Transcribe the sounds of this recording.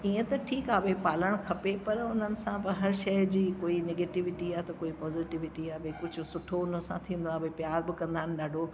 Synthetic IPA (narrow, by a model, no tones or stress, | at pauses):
iːə̃t̪ɐʈʰiːkaːbepaːləɽ̃kʰɐpepɐɾʊn̤ənɪ̆sãbɐɦɐɾʃɐjd͡ʑiːkoːineːɡeːʈɪʋɪʈiaːt̪ɐkoːipɔːziʈɪʋɪʈiaːbʱekʊd͡ʑʱʊ̆sʊʈʰoʊnəsãt̪ʰĩːn̆d̪oaːbepjaːɾbɪkɐ̃nd̪aːɪnɪ̆ɗaːɖʱo